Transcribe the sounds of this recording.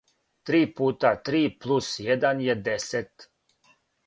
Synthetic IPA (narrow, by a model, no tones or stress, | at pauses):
t̪ɾiːpuːt̪at̪ɾiːplˠusjed̪anjed̪eset̪